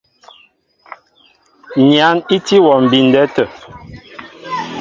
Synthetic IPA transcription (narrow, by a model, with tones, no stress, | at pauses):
ɲja˨˦ni˦ti˦wɔ˨m̩˨bi˨n̩˨dɛ˦tə˨